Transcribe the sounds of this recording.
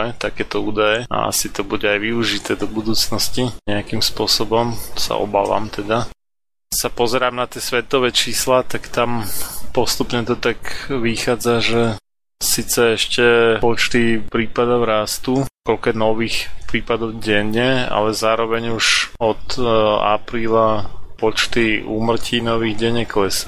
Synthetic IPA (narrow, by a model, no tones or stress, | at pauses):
ɛt̪akɛːt̪ɔuːd̪ajɛa̰a̰sit̪ɔbuɟɛajʋiuʒit̪ɛːd̪ɔbud̪uːt͡snɔsciɲɛakimspʊɔsɔbɔmsa̰ɔ̰ba̰ːʋa̰ːmt̪ɛd̪a | sapɔzɛɾaːmnat̪ɪɛsʋɛt̪ɔʋɛt͡ʃiːslat̪akt̪ampɔst̪upɲɛt̪ɔt̪akʋixaːd͡zaʒɛ | siːt͡sɛɛʃcɛɔt͡ʃt̪ipɾiːpad̪ɔʊɾast̪ukɔlkɛnɔʋiːxpɾiːpad̪ɔʊɟɛɲːɛa̰lɛzaːɾɔʋɛɲuʒɔt̪a̰pɾiːlapɔt͡ʃt̪iuːmr̩cʰiːnɔʋiːɣɟɛɲɛklɛs